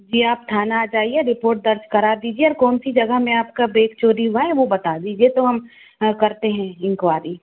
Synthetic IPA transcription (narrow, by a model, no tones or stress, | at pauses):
d͡ʒiːaːpt̪ʰaːnaːd͡ʒaːieɾɪpoːɾʈ̚d̪ɐɾd͡ʒkɐɾaːɾd̪iːd͡ʒieɔːɾkɔːnsid͡ʒɐɡəɦmẽaːpkabeːkt͡ʃoːɾiʋaɛʋobɐt̪ad̪iːd͡ʒiet̪oɦɐm | kɐɾt̪eɦɛ̃ɪ̃ŋkʋaːɾiː